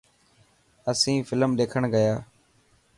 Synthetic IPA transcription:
əsĩːfɪləmɗ̪eːkʰəɳɡəjaː

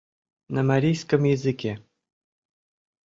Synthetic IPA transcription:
namaɾʲijskə̆mjɘzɨkʲe

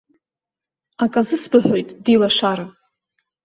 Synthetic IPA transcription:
akʼazɨsbɨħʷᶣojtʼdilaʂaɾɨ

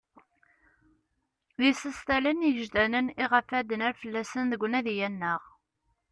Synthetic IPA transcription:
ðisəst̪ælənjəʒd̪ænəniʁəfæd̪ənæɾfəlːæsənðəɡʷnæðjænːəʁ

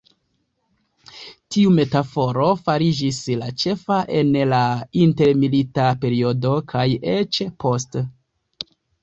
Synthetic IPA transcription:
tiume̞tafo̞ɾo̞faɾid͡ʒislat͡ʃe̞faʔe̞nlainte̞ɾmilitape̞ɾio̞do̞kʰajet͡ʃpo̞st

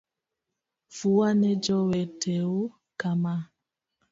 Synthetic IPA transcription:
fuwanɛd͡ʒɔwɛtʰɛo | kama

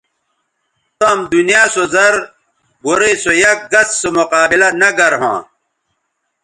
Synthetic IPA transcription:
t̪omd̪unijaːsozɐɾ | boɾesojɐk̚ɡɐsːomoqaːbilɐnɐɡɐɾɦã̰ː

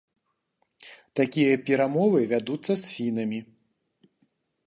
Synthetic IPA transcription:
t̪akʲijɐpʲɛɾamɔvɨvʲad̪ut̪sːɐsfʲinɐmʲi

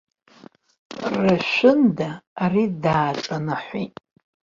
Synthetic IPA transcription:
raʃʷʊndaːridaːʈ͡ʂʼanaħʷitʼ

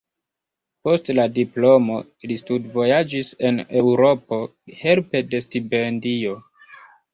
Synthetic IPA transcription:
po̞stladiplo̞mo̞ | listudvo̞jad͡ʒise̞ne̞wɾo̞po̞he̞lpe̞de̞stipendio̞

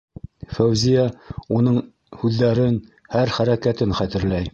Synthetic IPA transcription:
fæwzijæunɤɴ | hʉðːæɾɘn | hæɾχæɾækæt̪ɘnχæt̪ɘ̆ɾlæj

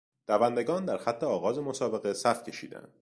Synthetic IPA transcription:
d̪̥ævænd̪eɡɒːnd̪æɾxæt̪ʰːeɒːɣɒːze̞mosɒːbe̞ɣe̞sæfcʰʲe̞ʃḭːd̪æ̰nd̪̥

